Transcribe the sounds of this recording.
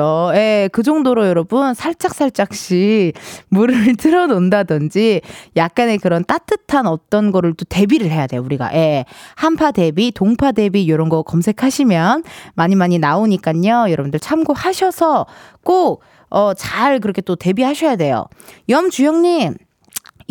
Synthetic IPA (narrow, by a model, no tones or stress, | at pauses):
oje̞kɯd͡ʑʌŋdoɾojʌɾʌbunsʰaɭt͡ɕ͈ak̚s͈aɭt͡ɕ͈ak̚ɕ͈imuɾɯɭtɯɾʌnondadɯnd͡ʑijak̚k͈ane̞kɯɾʌnt͈at͈ɯtʰanʌt͈ʌnɡʌɾɯɭt͈ote̞biɾɯɭɦe̞jade̞jouɾiɡa̰ʔe̞hampʰade̞bitoŋpʰade̞bijoɾʌnɡʌkʌmsʰe̞kʰaɕʰimjʌnmaɲimaɲinaoɲik͈aɲojʌɾʌbundɯɭt͡ɕʰamɡohaɕʰʌsʰʌk͈ok̚ | ʌt͡ɕaɭk̬ɯɾʌkʰe̞t͈ote̞bihaɕʰʌjade̞jo̰jʌmt͡ɕujʌŋɲim